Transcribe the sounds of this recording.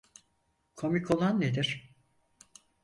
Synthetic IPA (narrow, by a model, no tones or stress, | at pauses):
kʰomikʰolˠanːed̪iɾ̥